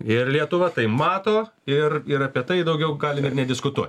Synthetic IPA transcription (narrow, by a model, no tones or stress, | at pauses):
ɪrlʲiɛt̪ʊʋɐt̪ɐɪmɑːt̪oː | ɪrɪɾɐpʲiɛt̪ɐɪd̪ɐʊɡʲɛʊɡɑːlʲɪmɪrnʲɛdʲɪskʊt̪uɔt̪ʲ